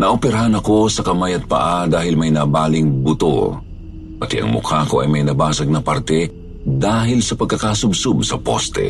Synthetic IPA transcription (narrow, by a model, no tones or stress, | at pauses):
nɐʔopɛɾɐɦɐnɐko̞sɐkɐmajɐt̪̚pɐ̰ʔad̪aːhɪlmɐjnɐbaːlɪŋbʊt̪o̰ | pɐt̪ɛʔɐ̰ŋmʊ̰kʰaːkoʔɐ̰jmɐjnɐbaːsɐɡ̚nɐpaɾt̪ɛ | d̪aːɦɪlsɐpɐɡ̚kɐkasʊbsʊbsɐpo̰st̪ɛ̰